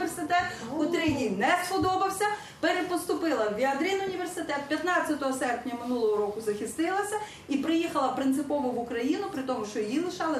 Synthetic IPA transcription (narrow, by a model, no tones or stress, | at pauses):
ersɪt̪ɛt̪ʊt̪ɾɪjʲinɛpɔd̪ɔbɐwsʲɐ | peɾepɔst̪ʊpɪlˠɐwʋʲiɐd̪ɾʲinʊnʲiʋersɪt̪ɛt̪̚pʲjɐt̪nɑt͡sʲːɐt̪ɔɦɔsɛrpnʲɐmɪnulˠɔɦɔɾɔkʊzɐxʲɪst̪ɪlˠɐsʲɐ | ipɾɪjixɐlˠɐpɾɪnt̪sɪpɔʋʊʋʊkɾɐjinʊpɾɪt̪ɔmʊʃt͡ʃɔjilˠɪʃɑlˠɪ